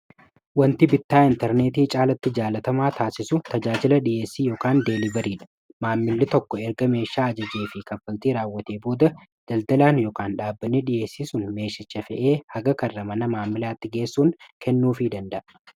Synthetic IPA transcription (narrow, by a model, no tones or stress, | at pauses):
wɐnt̪ɪbɪt̪ːaːɪnt̪ɛɾne̞ːt̪iːt͡ʃʼaːlɐt̪ːɪd͡ʒaːlɐt̪ɐmaːt̪aːsɪsʊt̪ɐd͡ʒaːd͡ʒɪlɐᶑɪje̞ːsːiːjo̞ːkaːnd̪e̞ːlɪbɐɾiːᶑɐ̥ | maːmːɪlːɪt̪ɔkːɔɛɾɡɐme̞ːʃːaːɐd͡ʒɐd͡ʒeːfɪkɐfɐlt̪iːɾaːwːɐt̪eːbo̞ːd̪ɐ | d̪̥ɐld̪ɐlaːnjoːkaːnᶑaːbːɐnːɪᶑɪje̞ːsːisʊnme̞ːʃɪt͡ʃːɐfɛʔeːhɐɡɐkɐrːɐmɐnɐmaːmːɪlaːt̪ːɪɡe̞ːsːuːnkʰɛnːuːfɪd̪ɐnd̪ɐʔɐ